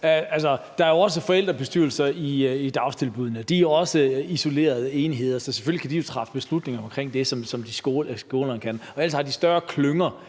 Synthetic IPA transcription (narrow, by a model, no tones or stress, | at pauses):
ælsɐd̥ɑ̈æɐjo̝ɒ̽s̬əfɒ̽el̰d̥ʁɐb̥e̝sd̥yɐl̩sɐiid̥ɑ̈ʊst͡sʰe̝lb̥uð̞ˠnəd̥ioɒ̽səiso̝le̝̰ːɐð̞ˠe̝ːniɦe̝ð̞̰ˠɐsɒ̽se̥følikʰædijo̝t͡sʰʁɑ̈fə̥b̥e̝slud̥ne̝ŋɐɒ̽mkʰʁeŋ̰d̥e̝sɒ̽msɒ̽md̥isɡ̥osɡ̥o̝ːlɐnkʰænɒ̽æl̰shɑ̈d̥isd̥ɶɐkʰløŋɐ